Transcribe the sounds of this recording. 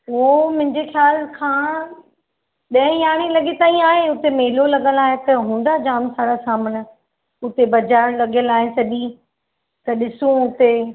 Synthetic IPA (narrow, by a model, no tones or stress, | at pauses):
ɦom̃ɦɪ̃ɲd͡ʑexjaːlkʰãː | ɗɐ̃ɦɪ̃jaːɽ̃ilɐɠet̪aːĩaːɦeʊt̪emeːlolɐɠəlaːɦet̪ɐɦũːn̆d̪ad͡ʑaːmsaːɽasaːmənɪ̆ | ʊt̪ebɐd͡ʑaːɽ̃lɐɠjəlaːɦesɐʄi | t̪ɐɗɪsũʊt̪e